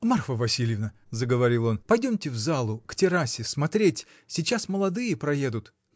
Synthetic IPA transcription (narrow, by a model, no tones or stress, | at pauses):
marxvəvɐsʲilʲjɪvnə | zəɡəvɐɾʲilˠo̞npɐjdʲomtʲɪvzalˠʊktʲɪɾasʲɪsmɐt̪ɾʲetʲ | sʲɪt͡ɕasməlˠɐd̪ɨjəpɾɐje̞d̪ʊt̪